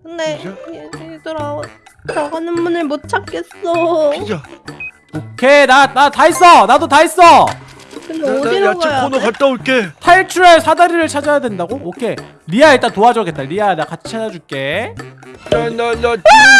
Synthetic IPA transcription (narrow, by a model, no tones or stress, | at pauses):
kɯndeeiidʌɾao | t͡ɕaɡanɯnmunɯɭmot͡ɕʰak͈es͈oid͡ʑa | okʰenanatais͈ʌnadotais͈ʌ | kɯnded͡ʑinɡjopʰonokat͈aokʰetʰaɭt͡ɕʰuɾaɭsʰadaɾiɾɯɭt͡ɕʰad͡ʑajadwe̞ndaɡookʰe̞ | ɾiaet͈atoad͡ʑʌɡ͈e̞t̚t͈aɾianakat͡ɕʰi̥t͡ɕʰad͡ʑad͡ʑuɭk͈e̞ | naa